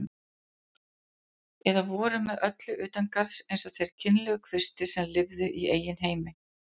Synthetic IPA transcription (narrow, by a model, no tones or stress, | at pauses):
ɛðavɔːɾʏmːɛðœt̪lʏʔʏːt̪ankaðsejnsɔθejɾ̥cʰɪnlɛɣʏkʰvɪst̪ɪ̥sɛmlɪvðʏʔieːjːɪnɦeːjmɪ